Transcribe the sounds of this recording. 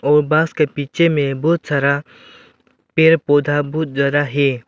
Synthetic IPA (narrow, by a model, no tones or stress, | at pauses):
ɔːɾbaːskepiːt͡ʃʰemẽbɔːt̪saɾa | peːɾpoːd̪ʱabɔːt̪d͡ʒad̪aɦɛː